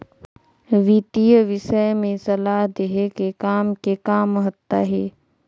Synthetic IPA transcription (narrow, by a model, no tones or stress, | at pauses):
ʋit̪ijəʋɪʃəjmẽsɐlaːɦd̪eɦekekaːmkekaːmɦət̪ːaɦɛː